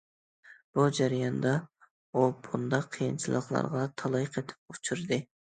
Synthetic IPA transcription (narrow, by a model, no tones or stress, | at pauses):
b̥ud͡ʒæɾijɑnd̪ɑ | obund̪ɑqʰːijɨ̰nt͡ʃʰilˠəqlˠɑ̰ɾʁɑt̪ʰɑlˠɑjqʰet̪ʰɪ̥p̚ut͡ʃʰuɾd̪ɨ